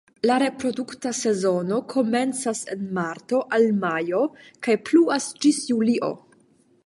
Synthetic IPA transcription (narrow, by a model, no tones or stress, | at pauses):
laɾe̞pɾo̞duktase̞zo̞no̞kʰo̞me̞nt͡sasenmaɾto̞ʔalmajo̞kajpluasd͡ʒisjuliʔo̞̰